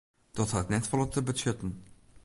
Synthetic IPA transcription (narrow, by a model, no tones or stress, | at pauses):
d̥ɔtɦatnɛtfɔlɔtəbəsʏtən